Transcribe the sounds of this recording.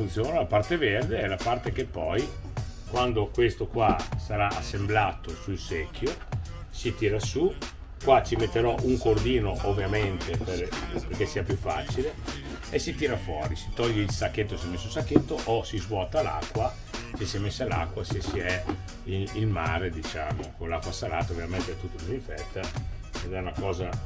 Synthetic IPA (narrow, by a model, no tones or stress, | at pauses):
funt̪sjoːnalapart̪everd̪eɛlapart̪ek̟epːɔj | kwand̪okwest̪okwasaɾaʔasːemblaːt̪osuilsekːjosit̪iːɾasu | kwat͡ʃimet̪ːeɾɔʔuŋkord̪iːnoʔovːjament̪eperperkesiːapjufːa̰ːt͡ʃile | esit̪iːɾafwɔ̰ːɾisi̥t̪ɔʎːeilsakːet̪ːosiɛmesːusakːet̪ːoʔosizvwɔːt̪ala̰kːwa | sesiɛmesːala̰kːwasesiɛ | iilmaːɾed̪it͡ʃa̰ːmokonlakːwasalaːt̪aovjament̪eɛt̪ut̪ːikuziɱfɛt̪ːaed̪ɛunakɔːza